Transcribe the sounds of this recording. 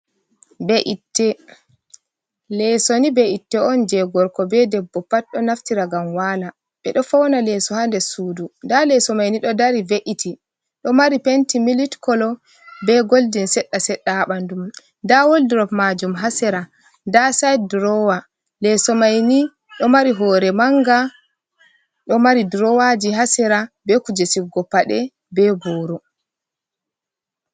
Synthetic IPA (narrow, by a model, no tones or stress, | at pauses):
bɛʔitːɛ | lɛsonibɛʔitːɛʔɔnd͡ʒɛɡɔɾkɔbɛdɛbːɔpat̚ɗɔnaftiɾaɡamwala | ɓɛɗɔfɔwnalɛsɔhandɛsuːdundalɛsɔmajniɗɔdaɾiveʔiti | ɗɔmaɾipentimilitkɔlɔ | bɛɡoldinsɛɗːasɛɗːaɓandum | ndawoldɾɔpmad͡ʒumɦasɛɾa | ndasajdɾɔwa | lɛsɔmajni | ɗɔmaɾiɦɔːɾɛmaŋɡa | ɗɔmaɾidɾɔwad͡ʒiɦasɛɾabɛkud͡ʒesiɡɔpːaɗɛ | bɛbɔːɾɔ